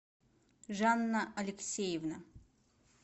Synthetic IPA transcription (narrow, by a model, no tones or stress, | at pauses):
ʐanːaɐlʲɪksʲejɪvna